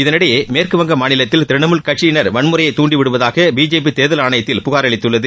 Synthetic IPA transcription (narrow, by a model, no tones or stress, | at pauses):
ɪðɐnɪɽɐjeːmeːrkɯʋɐŋɡɐmaːɳɪlɐt̪ːɪlt̪ɪɾɪɳɐmɯlkɐʈt͡ʃːɪnɐɾʋɐɳmɯɾɐjɐɪt̪ːuːɳɖiʋɪɽɯʋɐðaːɣɐbiːd͡ʒeːp̬ːit̪eːðɐlaːɳɐjɐt̪ːɪlpʊɣaːɾɐɭɪt̪ːɯɭːɐðɯ